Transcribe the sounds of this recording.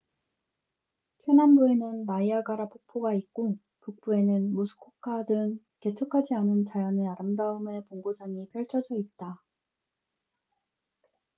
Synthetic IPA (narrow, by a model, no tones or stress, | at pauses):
pʰjonanboe̞nɯnmaiaɡaɾapok̚pʰoɡaik͈o | puk̚p͈ue̞nɯnmusʰu̥kʰokʰadɯŋ | ke̞tʰɯkʰad͡ʑianɯnt͡ɕajʌneaɾɯmdaɯme̞poŋɡod͡ʑaŋipʰjʌɭt͡ɕʰʌd͡ʑʌit̚t͈a